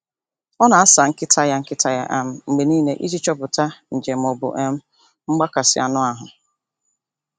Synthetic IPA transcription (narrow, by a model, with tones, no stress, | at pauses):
ɔ˦na˨a˦sa˨ŋ̩˦kɪ˦tʰa˦ja˦ŋ̩˦kɪ˦tʰa˦ja˦ʔa˨m̩˨ŋ͡m̩˨ɡ͡be˨niː˦ne˦ʔi˦d͡ʒi˦t͡ʃɔ˦pʊ˨ta˦n̩˨d͡ʒe˨m̩˨ɔ˨bʊ̰˨ʔe˦m̩˦ | ŋ͡m̩˦ɡ͡ba˦ka˨sɪ̰˨a̰˨nʊ˦a˨ɦʊ˨